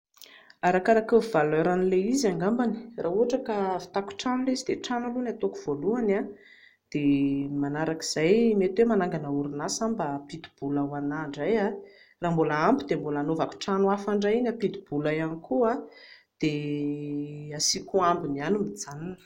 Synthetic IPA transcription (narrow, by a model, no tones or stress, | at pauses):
aɾakaɾakəvalɛɾanileiziaŋɡambani̥rʔaːuɦaʈ͡ʂakafi̥t̪aku̥ʈ͡ʂanulezid̪eʈ͡ʂanulunat̪okuv̥oluana | d̪̥emanaɾaki̥z̥ajmet̪emanaŋɡanauɾunasambapit̪u̥b̥ulawanaɳɖ͡ʐaja | raːmbolaambid̪embolanovaku̥ʈ͡ʂanuafaɳɖ͡ʐainapit̪ub̥ulajanikʰuad̪̥e | asikuambinianumid͡zananə̥